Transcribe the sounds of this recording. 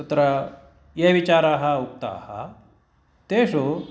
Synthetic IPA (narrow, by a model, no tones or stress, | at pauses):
ut̪ɾa | jeʋit͡ɕaɾaɦauk̚t̪a̰ha | t̪eɕo